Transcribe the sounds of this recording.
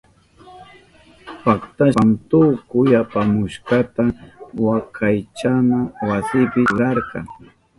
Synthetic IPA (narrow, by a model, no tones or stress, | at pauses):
pakt̪amt̪ʊkʊjapamʊʃkɑt̪awakʰajt͡ʃamawasɪpɪʊɾɑɾkɑ̰ŋ